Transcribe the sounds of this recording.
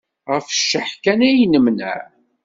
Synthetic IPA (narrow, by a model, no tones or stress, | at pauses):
ʁəfʃːəħkænæjnəmnə̰ʕ